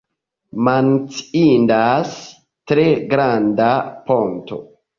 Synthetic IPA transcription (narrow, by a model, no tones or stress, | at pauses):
mant͡si̥indas | tɾeɡɾandaponto̰